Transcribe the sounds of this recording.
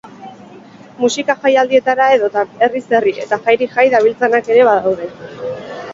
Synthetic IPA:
musikaʝajald̪ie̞t̪aɾae̞ðo̞t̪ae̞rise̞riʔe̞̰t̪axajɾiʝajðaβ̞ilt͡sanake̞ɾe̞βaðawðe̞

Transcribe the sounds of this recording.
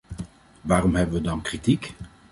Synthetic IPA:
ʋaːrɔmɦɛbəʋədɑnkritik

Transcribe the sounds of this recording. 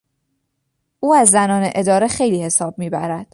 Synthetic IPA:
ʔuːæzːænɒːne̞ʔe̞d̪ɒːɾe̞xe̞jliːhe̞sɒːb̥̚miːbæɾæd̪̥

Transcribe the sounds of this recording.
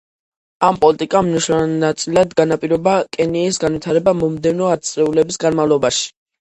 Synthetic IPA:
ampʼɔlit̪ʼikʼamniʃanat̪sʼilad̪ɡanapʼiɾɔbakʼɛniːsɡanwit̪ʰaɾɛbamɔmd̪ɛvnɔat̪sʼɾɛulɛbisɡanmavlˠɔbaʃi̥

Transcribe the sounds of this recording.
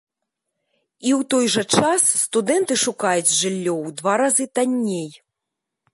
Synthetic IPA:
iwt̪ɔjʐɐt͡ʂasːt̪ud̪ɛnt̪ɨʂukajut͡sʲʐɨlʲːɔwd̪vaɾazɨt̪anʲːej

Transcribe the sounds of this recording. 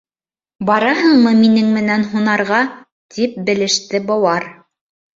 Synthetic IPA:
bɑɾɑɦɤɴmɤminɘŋmɘ̆nænɦunɑɾʁɑ | t̪ip̚bɘ̆lɘ̆ʃt̪ɘbɑwɑɾ

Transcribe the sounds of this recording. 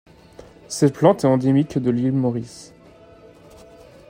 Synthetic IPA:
sɛt̪plɑ̃t̪ɛɑ̃d̪emikd̪əlilmɔʁis

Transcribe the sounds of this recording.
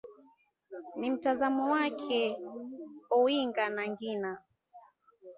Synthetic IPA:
nim̩tazamɔwakʰɛ | ɔwiŋɡanaŋɡina

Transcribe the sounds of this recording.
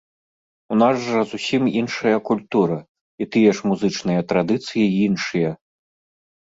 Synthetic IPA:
unazʐɐzusʲiminʂɐjɐkulʲt̪uɾɐ | it̪ɨjɛʂmuzɨt͡ʂnɨjɐt̪ɾad̪ɨt̪sɨjiinʂɨjɐ

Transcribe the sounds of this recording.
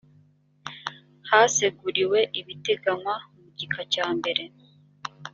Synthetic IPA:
haːseɡuɾiwe̞ʔiβite̞ɡamwamuɟikacaːmbe̞ɾe̞

